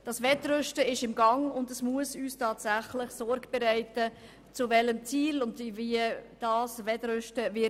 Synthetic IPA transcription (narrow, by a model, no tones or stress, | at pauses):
d̥ɑsvɛtɾœʃtəɪʃɪmɡɑŋʊndəsmuəsyːstʰɑːtsæχləχsɔɾɡ̥b̥ɛɾæɪtə | t͡sʊvɛləmt͡siːlʊndviəd̥ɑːsvɛdɾʏʃtəvɪ